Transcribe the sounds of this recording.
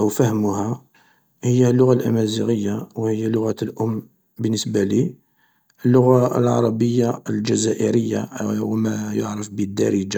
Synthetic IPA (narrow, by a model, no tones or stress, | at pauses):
ʔəwfæhmʊhæ | həjːælːʊɣalʔæ̰mæziɣəjːawhəjːælʊɣæt̪lʔʊmː | bənːəsbæli | ʔəlːʊɣaəlʕɑ̰ɾˤɑbəjːaəlʒæzæʔəɾəjːawmæjoʕɾəfbəd̪ːæ̰ɾəd͡ʒa